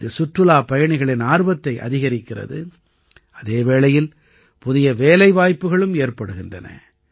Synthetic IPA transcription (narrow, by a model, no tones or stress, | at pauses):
ɐsʊʈrɯlaːpɐjɐɳɪɣɐɭɪnaːɾbɐt̪ːɐɪʔɐ̰ðɪɣɐɾɪkːɪrɐ̰ðɯ̰ | ʔɐðeːʋeːlɐjɪl | pʊðɪjɐʋeːlɐɪʋaːjpːɯɣɐɭɯmeːrpɐɽɯɣɪndrɐ̰nɐ̰